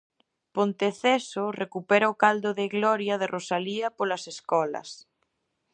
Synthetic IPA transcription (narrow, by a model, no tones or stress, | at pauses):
pont̪eθesorekupɛɾaokald̪oðeɣlɔɾjað̞erʔosaliapolaseskɔlɐ̰s